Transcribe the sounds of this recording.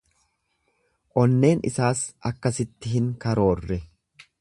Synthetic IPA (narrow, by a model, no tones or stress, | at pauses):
ʔɔnːe̞ːnɪ̰saːsɐkːɐsɪt̪ːɪɦɪŋkɐɾo̞ːrːɛ